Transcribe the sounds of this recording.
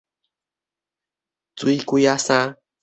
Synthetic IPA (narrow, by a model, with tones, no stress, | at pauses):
t͡su˨˦i˦ku˦ja˦sã˦